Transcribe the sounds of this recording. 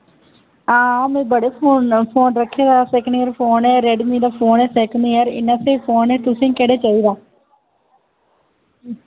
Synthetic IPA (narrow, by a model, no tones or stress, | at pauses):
ãːmẽːbəɽeːpʰoːnpʰoːnɾəkʰːeːd̪aːsɛkɳeːəɾpʰoːnɛːɾɛːɖmiːd̪aːpʰoːnɛːsɛːkəneːəɾɪ̰nãːseːpʰoːnɛːt̪ʊsẽːkɛːɽeːt͡ʃaːiːd̪aː